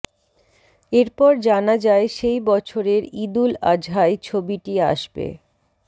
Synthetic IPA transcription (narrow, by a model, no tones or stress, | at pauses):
eɾpɔɾd͡ʑanad͡ʑaeʃejbɔt͡ɕʰoɾeɾid̪ula̰d͡ʑɦaejt͡ɕʰobiʈia̰ʃbḛ